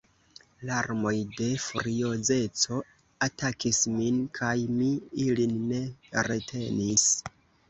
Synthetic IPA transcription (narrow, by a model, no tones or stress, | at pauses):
laɾmo̞jde̞fuɾioze̞t͡so̞ | atakisminkʰajmiilinːe̞ɾe̞tʰe̞nis